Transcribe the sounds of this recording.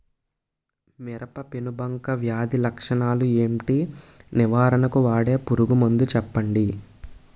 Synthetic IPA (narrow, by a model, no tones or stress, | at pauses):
miɾɐpɐpinubɐŋkɐʋjaːd̪ilɐkʂɐɳaːlue̞ːmʈiniʋaːɾɐnɐkuʋaːɽe̞ːpuɾuɡumund̪ut͡ʃɛpːɐɳɖi